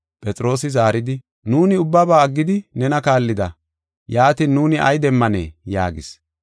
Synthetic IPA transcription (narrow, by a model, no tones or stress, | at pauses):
pʼɛt͡sʼɾo̞ːsɪzaːɾɪd̪ɪ | nuːnɪʊbːɐbaːɐɡːɪd̪ɪnɛnɐkaːlːɪd̪ɐ | jaːt̪iːnːuːnɪʔɐ̰jd̪ɛmːɐnḛːja̰ːɡɪs